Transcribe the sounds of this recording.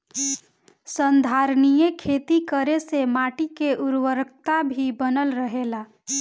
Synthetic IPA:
sə̃nd̪ʱaːɾnijekʰeːt̪ikəɾesemaːʈikeʔʊɾwəɾkt̪abʱibənəlɾəɦeːlaː

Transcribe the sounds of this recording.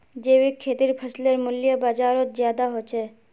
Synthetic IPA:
d͡ʒeːʋikʰːeːt̪iɾpʰəsleɾmʊljəbaːd͡ʒaːɾot̪zjaːd̪aɦot͡ʃʰe

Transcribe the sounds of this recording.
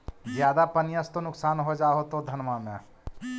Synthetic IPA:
zjaːd̪apənjəst̪onʊksaːnɦod͡ʒaːɦot̪od̪ʱənmamḛ̃

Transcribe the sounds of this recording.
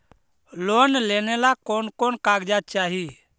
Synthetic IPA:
lonlenelakonkonkaɡd͡ʒat͡ʃaɦi

